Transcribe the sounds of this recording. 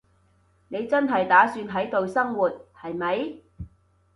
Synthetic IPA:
ne˨˧jt͡sɐ˥nɦɐ˨jt̪aː˨˥syː˧nɦɐ˨˥jt̪o˨˧wsɐ˥ŋwuː˨˩t̚hɐ˨jmɐ˨˧j

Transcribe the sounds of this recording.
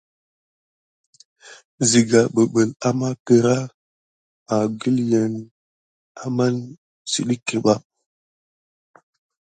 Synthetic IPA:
zi˨ɡa˨ɓə˨ɓə˨la˦ma˦kə˦ɾa˦ | a˨ɡə˦ljə˨n | a˦ma˦n | sḭ˨ɗi˦kːe˨ɓa˦

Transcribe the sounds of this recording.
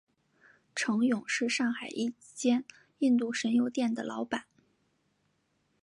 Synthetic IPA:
ʈ͡ʂʰɤ˧˥ŋjʊ˨˩˦ŋʂɻ̩˥˧ʂɑ˥˩ŋxa˨˩ɪʔi˥˩ | t͡ɕjɛ˥n | i˥˧nt̪u˥˩ʂə˧˥njo˧˥ʊt̪jɛ˥˩nd̪ə̰˩lʔɑ˧˥ʊpa˨˩˦n

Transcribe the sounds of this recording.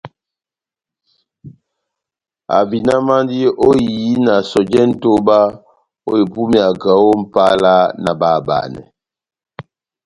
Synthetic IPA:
a̰˨bi˨na˦ma˦n˦di˦ʔo˦˨ji˨˦na˨sɔ˨d͡ʒɛ˦n̩˦to˦ba˦ | o̰˦e˨bu˦mi˨a˨ɡa˨˦wo˦m̩˨pa˦la˦na˨ba˦˨ba̰˨nɛ̰˨

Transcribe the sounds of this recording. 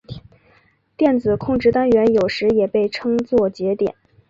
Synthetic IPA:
t̪jɛ˥˩nt͡sɹ̩˨˩kʰʊ˥˧ŋʈ͡ʂɻ̩˥˩t̪a˥nɥɛ˧˥njo˨˩ʊʂɻ̩˧˥jɛ˨˩pe˥˩ɪʈ͡ʂʰɤ˥ŋt͡swɔ˥˩t͡ɕjɛ˧˥t̪jɛ̰˨˩˦n

